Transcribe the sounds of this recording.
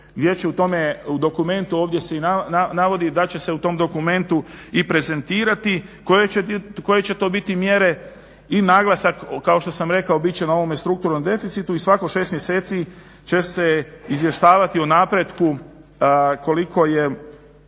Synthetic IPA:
ɡd̪je̞t͡ɕeut̪o̞me̞ud̪o̞kume̞nt̪uoːʋd̪je̞se̞inananaʋo̞d̪id̪at͡ɕe̞se̞ut̪o̞md̪o̞kume̞nt̪uipɾe̞ze̞nt̪iːɾat̪ikojeeko̞je̞t͡ɕe̞t̪o̞ːbit̪imjeɾe̞ | inaɡlˠasakːao̞ʃt̪osamɾe̞kaobit͡ɕenao̞ʋo̞mest̪ɾukt̪uɾno̞md̪e̞fit̪sit̪uisʋako̞ʃe̞ːst̪mjese̞ːt̪si | t͡ɕe̞seizje̞ʃt̪aːʋat̪ionaːpɾed̪ku | ko̞likʰo̞je

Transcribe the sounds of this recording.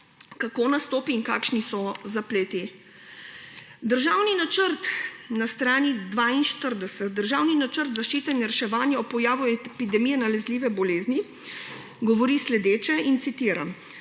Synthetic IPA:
kakoːnast̪oːpiːŋkaːkʃnisɔzapleːt̪i | d̪əɾʒaːwninat͡ʃəɾt̪nast̪ɾaːnid̪ʋainʃt̪əɾd̪ɛsɛt̪̚d̪əɾʒawninat͡ʃəɾt̪zaʃt͡ʃiːt̪ɛnɾɛʃɛʋaːnjaɔpɔjaːʋuɛpid̪ɛmijɛnalɛzliːʋɛbɔleːzni | ɡɔʋɔɾislɛd̪eːt͡ʃɛint̪sit̪iːɾam

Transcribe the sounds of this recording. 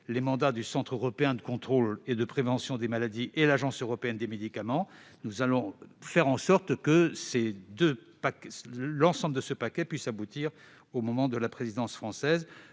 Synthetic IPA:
lemɑ̃d̪ad̪ysɑ̃t̪χøʁɔpeɛ̃d̪əkɔ̃t̪χoled̪əpχevɑ̃sjɔ̃d̪emalad̪iʔelaʒɑ̃søʁɔpeɛnd̪emed̪ikamɑ̃nuzalɔ̃fɛʁɑ̃sɔʁt̪kəsed̪øpaklɑ̃sɑ̃bləd̪əsəpakʲɛpɥisabut̪iʁ | omɔmɑ̃d̪əlapχezid̪ɑ̃sfχɑ̃sɛz

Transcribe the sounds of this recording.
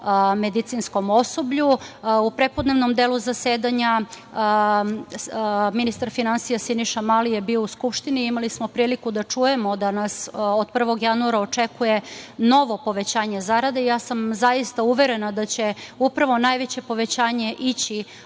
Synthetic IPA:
med̪it̪sinsko̞mo̞so̞bʎuupɾe̞pod̪ne̞ʋnomd̪eːluzaseːd̪aɲa | minist̪aɾfinansijasiniʃamalije̞biːouskupʃt̪iniimalismo̞pɾiːlikud̪at͡ʂuje̞mo̞d̪anasod̪̚pr̩ʋo̞ɡjanuaɾaot͡ʂekuje̞no̞ʋo̞po̞ʋe̞t͡ɕaːɲe̞zaɾad̪eijaːsamzajist̪auʋe̞ɾe̞nad̪at͡ɕeupɾaʋo̞naːjʋet͡ɕe̞po̞ʋe̞t͡ɕaːɲe̞ʔit͡ɕi

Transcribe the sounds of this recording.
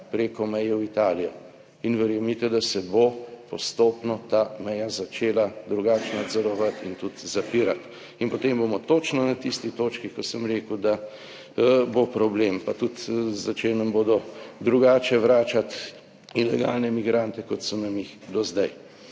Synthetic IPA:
pɾeːkɔmɛjɛwit̪aːlijɔ | inʋɛɾjɛmit̪ɛd̪asɛbopɔst̪oːpnɔt̪aːmɛjazat͡ʃeːlad̪ɾuɡaːt͡ʃnad̪zɔɾɔʋat̪ḭnt̪ut̪zapiːɾat̪ | inpɔt̪embomɔt̪oːt͡ʃnɔnat̪ist̪ixt̪oːt͡ʃkixkɔsəmɾeːkəwd̪a | bopɾɔblempat̪ut̪zat͡ʃeːlnɐmboːd̪ɔd̪ɾuɡaːt͡ʃɛʋɾaːt͡ʃat̪ | ilɛ̰ɡa̰lnɛmiɡɾant̪ɛkɔt̪sɔnamjixd̪ɔzd̪aj

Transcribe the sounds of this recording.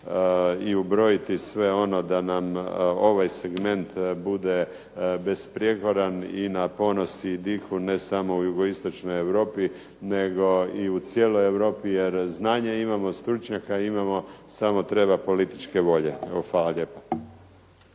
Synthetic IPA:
iubɾo̞jit̪isʋe̞o̞no̞d̪anamo̞ʋajse̞ɡme̞nt̪bud̪e̞ | be̞spɾijeɡlad̪aninapo̞no̞sid̪ixune̞samo̞ujuɡo̞ist̪o̞t͡ʃno̞je̞ʋɾo̞ːpi | ne̞ɡo̞iut̪sje̞ːlo̞je̞ʋɾo̞ːpije̞ɾznaːɲeimamo̞st̪ɾut͡ʃɲakaimamo̞samo̞t̪ɾe̞bapo̞lit̪i̥t͡ʃke̞ʋo̞ʎe̞faːlaʎe̞ːpo̥

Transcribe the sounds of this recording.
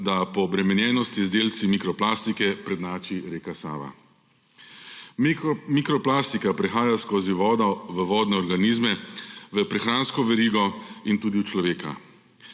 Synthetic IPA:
d̪apɔːbɾɛmɛnjɛːnɔst̪izd̪eːlt̪simikɾɔplaːst̪ikɛpɾɛd̪naːt͡ʃiɾeːkasa̰ːʋa̰ | mikɾɔplaːst̪ikapɾɛxaːjaskoːziʋɔːd̪aʋəʋɔːd̪nɛɔɾɡaniːzmɛʋəpɾɛxɾaːnskɔʋɛɾiːɡɔint̪uːd̪iwt͡ʃlɔʋeːka̰

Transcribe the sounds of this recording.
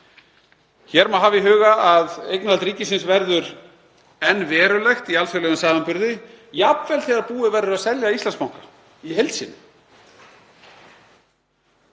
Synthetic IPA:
çɛɾmaɦaːvɪɦʏːɣaaðejknalt̪ɾiːcɪsɪnsvɛɾðʏɾ | ɛnːvɛːɾʏlɛxt̪ialfœlœɣʏnsaːvampʏɾðɪ | japvɛlθɛɣaɾpuːɪvɛɾʏɾasɛljaist̪lansmawŋ̥kḁ | iɦejlt̪sɪ̰n

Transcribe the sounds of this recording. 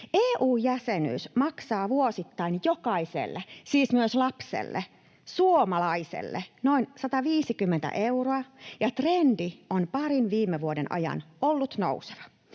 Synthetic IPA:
ʔeːʔuːjjæseny̰ːsmɑksɑːʋuosit̪ːɑinjokɑisḛlːesiːsmyøslɑpsḛlːḛ | suomɑlɑisḛlːḛnoinsɑt̪ɑʋiːsikymːent̪æ̰ʔeuroɑjɑt̪rendionpɑɾinʋiːmːeʋuodenʔɑ̰jɑ̰nolːut̪no̰use̥ʋɑ̥

